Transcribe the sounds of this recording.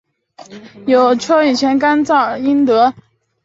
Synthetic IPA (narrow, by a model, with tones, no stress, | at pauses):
jo˨˩ʊt͡ɕʰjo˥i˨˩t͡ɕʰjɛ˧˥nka˥nt͡sɑ˥˩ʊi˥nt̪ɤ˧˥